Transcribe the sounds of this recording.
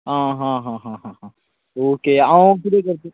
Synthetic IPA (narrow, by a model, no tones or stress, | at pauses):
ɦãːɦãɦãːɦãɦãɦã | oːkeakuɾekəɾt̪ĩ